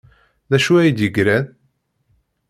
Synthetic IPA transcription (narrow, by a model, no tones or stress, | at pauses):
ðæʃuæjid̪jəɡɾæð